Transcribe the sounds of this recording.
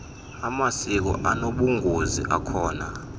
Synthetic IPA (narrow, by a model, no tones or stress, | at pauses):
amasik̬ɔ̰ʔanoɓuŋʱuzḭʔakʰɔːna